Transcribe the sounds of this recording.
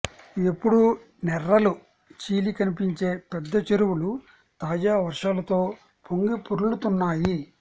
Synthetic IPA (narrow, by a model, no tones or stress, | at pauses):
epːuɽu | nɛɾːɐlu | t͡ʃiːlikɐnipiɲt͡ʃe̞ːpɛd̪ːɐt͡ʃeɾuwulu | t̪aːd͡ʒaːʋɐɾʂaːlɐt̪o̞ː | pʰoŋɡipuɾulut̪unːaːji